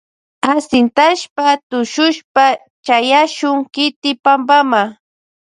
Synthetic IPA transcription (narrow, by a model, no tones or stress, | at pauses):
asɪnt̪aʃpat̪ʊʃʊʃpa | t͡ʃajaʃʊŋkɪt̪ɪpambama